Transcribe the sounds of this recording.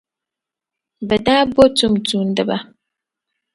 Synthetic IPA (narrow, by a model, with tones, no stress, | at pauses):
bɛ˨daː˦bo˦tu˦m˨tu˨n˨dɨ˦ba˨